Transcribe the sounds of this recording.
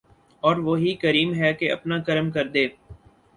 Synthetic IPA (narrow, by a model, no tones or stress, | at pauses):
ɔːɾʋoːɦikəɾiːmɦɛːkeɐ̰pnaːkəɾəmkəɾd̪eː